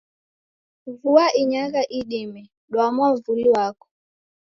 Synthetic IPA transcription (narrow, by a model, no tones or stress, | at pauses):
vuaʔiɲakaʔiɗimɛ | ɗwamwavuliwakɔ̥